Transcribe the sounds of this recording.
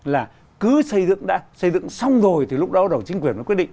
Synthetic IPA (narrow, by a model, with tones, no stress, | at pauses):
laː˨˩ | kɨ˨˦sə˧jzɨ̰˧˨ŋɗa̰ː˧˥sə˧jzɨ̰˧˨ŋsa˧wŋ͡mzo˨˩jt̪ʰi˨˩lʊ˦˥k͡p̚ɗɔ˨˦ɗə˨˩wt͡ɕï̟˨˦kwi˨˩ənvkwt̚ɗḭ˧˨ŋ